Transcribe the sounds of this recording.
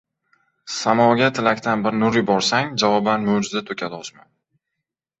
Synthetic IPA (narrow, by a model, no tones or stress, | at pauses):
samɒɡʲat̪ʰɪlakʲt̪ʰanbɪɾnʊɾɪjbɒɾsaŋd͡ʒavɒbanmowd͡ʒɪzd̪at̪ʰɵkʲʰad̪ɒsman